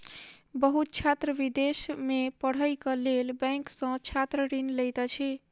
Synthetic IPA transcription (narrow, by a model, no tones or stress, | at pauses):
bəɦut̪̚t͡ʃʰat̪ɾəbid̪esmepəɽ̤əjkəlelbɛ̃ŋksə̃t͡ʃʰat̪ɾəɾinləjt̪ət͡ʃʰi